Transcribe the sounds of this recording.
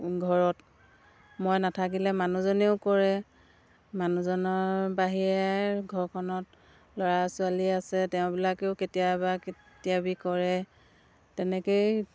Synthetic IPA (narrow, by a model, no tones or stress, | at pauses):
ɡʱɔɹɔt | mojnatʰak̬ilɛmanuzɔneʊkɔɹɛ | manuzɔnɔɹbaɦiɹɛɡʱɔɹkʰɔnɔt̚ | lɔɹasʊaliasɛtɛʊ̃bilakeʊketijabake | tijabikɔɹɛ | tɛnɛkoj